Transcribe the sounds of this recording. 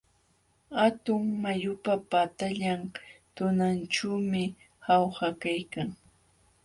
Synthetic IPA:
hat̪ʊŋmajʊpapat̪aʎamt̪ʊnanʈ͡ʂawmɪ | hawhakajkaŋ

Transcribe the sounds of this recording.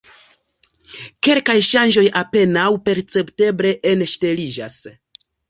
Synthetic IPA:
ke̞lkajʃand͡ʒo̞jape̞nawpe̞ɾt͡se̞pte̞bɾe̞ʔenʃte̞lid͡ʒa̰s

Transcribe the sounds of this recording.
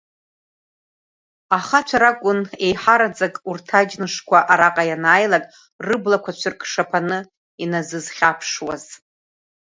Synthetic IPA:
aχat͡ʃʷʰaɾakʷʼʊne̞jħaɾad͡zakʼurtʰad͡ʒnɨʂkʷʰaʔaɾaqʼajanaːjlakʼ | rɨblakʷʰat͡ʃʷʰɨrkʰʼʂapʰanɨ | inazɨzχʲapʰʂwaz̥

